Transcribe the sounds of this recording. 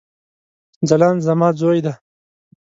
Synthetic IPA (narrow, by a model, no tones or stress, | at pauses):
d͡zalɑːnzɐmɑːd͡zoːjd̪a